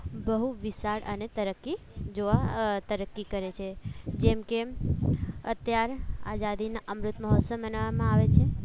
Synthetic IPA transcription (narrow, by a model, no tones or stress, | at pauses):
bəɦuʋisaɽə̰net̪əɾəkːi | d͡ʒoʋat̪əɾəkːikəɾet͡ʃʰed͡ʒɛmke | ə̰t̪jaɾa̰d͡ʒad̪inaʔəmɾʊt̪məɦɔt̪səbənaʋamãaʋet͡ʃʰe